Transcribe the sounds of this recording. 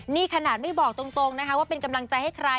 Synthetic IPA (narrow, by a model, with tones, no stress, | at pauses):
niː˥˩kʰa˧naː˨˩t̪̚ma˥˩jbɔː˨˩k̚t̪o˧ŋt̪o˧ŋna˦˥kʰa˦˥waː˥˩pe˧nka˧mla˧ŋt͡ɕa˧jha˥˩jkʰɾa˧